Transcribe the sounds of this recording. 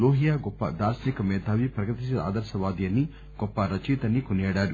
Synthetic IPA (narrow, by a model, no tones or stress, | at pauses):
loːɦijaːɡɔpːɐ̰d̪aːɾsɐnikɐmɛːd̪ʱaːʋipɾɐkɐt̪isɐa̰ːd̪ɐɾsɐʋaːd̪ijɐnːi | ɡ̥ɔpːɐɾɐt͡ʃiːt̪ɐnːikonijeːɽaːɽu